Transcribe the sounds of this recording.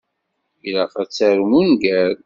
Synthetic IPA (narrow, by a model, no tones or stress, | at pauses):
ilæqæt͡sːæɾmunɡæɾ